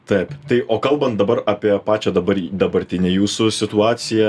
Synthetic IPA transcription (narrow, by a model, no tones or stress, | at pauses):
t̪ɐɪpt̪ɐɪʔoːkɐlˠbɐnt̪̚d̪ɐbɐɾɑːpʲiɛpɑːt͡ʃʲɛd̪ɐbɐɾd̪ɐbɐɾʲt̪ʲɪnʲejuːsʊsʲɪt̪ʊɑːsʲɪjɛ